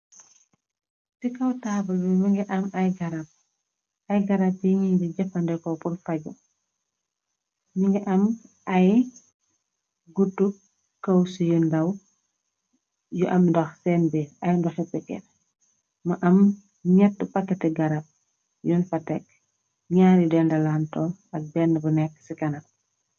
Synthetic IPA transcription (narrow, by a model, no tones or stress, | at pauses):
sikɐwtaːbɐlbimɐŋɡiʔɐmɐjɡɐɾɐp̚ | ɐjɡɐɾap̚tiŋiɲdiɟɐfɐndɛkɔpurfɐɟṵ | ɲiŋɡiʔɐmʔɐj | ɡutːu | kɐwsujundɐw | juʔɐmndɔxsɛːnbiɐjndɔxɛpɛkːɛ̰r | mɐʔɐm | ɲɛtːupakːɛtɛɡɐɾap̚ | junfɐtɛk̚ | ɲaːɾjidɛndɐlaːntɔɐk̚bɛnːəbunɛkːsikɐnɐ